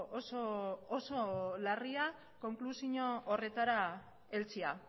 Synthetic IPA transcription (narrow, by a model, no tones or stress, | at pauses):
osoːso̞laria | ko̞ŋklusiɲoːre̞t̪aɾa | e̞lt͡sia